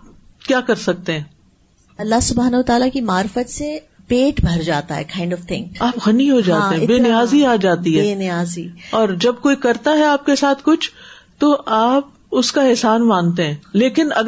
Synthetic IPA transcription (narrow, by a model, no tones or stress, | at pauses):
kjaːkɐɾsɐk̚t̪ẽɦɛ̃ː | ɐlːaɦsʊbʱaːnɐɦʊʋət̪aːlakimaːɾfət̪se | peːʈbʱɐɾd͡ʒaːt̪aɦɛ̰kʰãːɪ̃ɳɖɔʋt̪ʰɪ̃ŋkaːpɣɐniɦod͡ʒaːt̪ːeɦɛ̃beːnɪjaːziaːd͡ʒaːt̪iɦɛeːnɪjaːziːɔːɾd͡ʒɐbkoːikɐɾt̪aɦɛaːp̚kesaːt̪ʰkʊt͡ʃʰ | t̪oʔaːp̚ | ʊskaɛɦsaːnmãːnt̪eɦɛ̃ːleːkɪnɐ̰ɡ